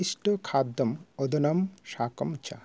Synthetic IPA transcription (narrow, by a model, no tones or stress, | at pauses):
iʃʈokʰad̪ːomod̪ʱonɐmʃakomt͡ɕa̰